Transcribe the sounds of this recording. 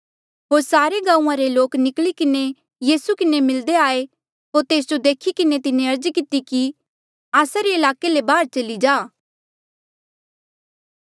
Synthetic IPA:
ɦoːɾsaːɾeɡãːũãɾeloːknɪklikɪne | jiːsukɪnemɪld̪eaːe | ɦoːɾt̪eːsd͡ʒod̪eːkʰikɪnet̪ɪneɐɾd͡ʒkɪt̪iki | aːsaɾeɪlaːkelebaːɾt͡ʃɐlid͡ʒaː

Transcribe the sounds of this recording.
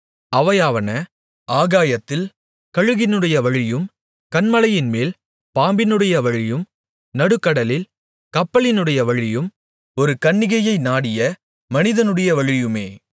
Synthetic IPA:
ɐʋɐjaːʋɐnɐ | ʔaːɣaːjɐt̪ːɪl | kɐɻɯɣɪnɯɽɐjɐʋɐɻɪjɯm | kɐnmɐlɐjɪnmeːl | paːmbɪnɯɽɐjɐʋɐɻɪjɯm | nɐɽɯkːɐɽɐlɪl | kɐpːɐɭɪnɯɽɐjɐʋɐɻɪjɯm | ɔɾɯkɐɳːɪɣɐjɐɪnaːɽɪjɐ | mɐnɪðɐnɯɽɐjɐʋɐɻɪjɯmeː

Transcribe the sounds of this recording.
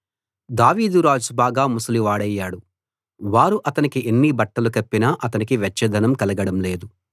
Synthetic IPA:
d̪aːʋiːd̪uɾaːd͡ʒbaːɡaːmusɐliʋaːɽɐjːaːɽu | ʋaːɾuʔɐt̪ɐnikiʔenːibɐʈːɐlukɐpːinɐʔɐt̪ɐnikiʋjɐt͡ʃːɐd̪ʱɐnɐmkɐlɐɡɐɽɐmle̞ːd̪u

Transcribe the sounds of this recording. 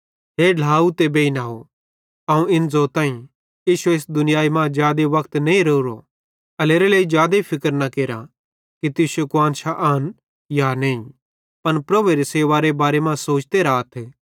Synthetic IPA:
ɦeːɖʱaːut̪ebeːinaːɦo | aũɪnd͡zot̪ãːĩ | jiːʃueːsd̪ʊnɪjaːimãːd͡ʒjaːd̪eʋɐkʰt̪nɐ̃ĩɾɐuɾo̰ | ɐleːɾeleːid͡ʒjaːd̪epʰɪkəɾnɐkeːɾa | kit̪ɪsokʊãːnʃaʔaːn | janɐĩ | pɐnpɾɐbeɾeseːʋaɾebaːɾemãsoːt͡ʃt̪eːɾaːt̪ʰe

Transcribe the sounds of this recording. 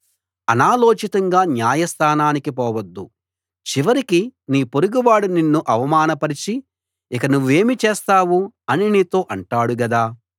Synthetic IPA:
ɐnaːloːt͡ʃit̪ɐŋɡaːnjaːjɐst̪ʰaːnaːnikipɔːʋɐd̪ːu | t͡ʃiʋɐɾikiniːpoɾuɡiʋaːɽuninːuʔɐʋɐmaːnɐpɐɾit͡ʃi | ikɐnuʋːue̞ːmit͡ʃeɛːst̪aːʋuɐniniːt̪o̞ːʔɐɳʈaːɽuɡɐd̪aː

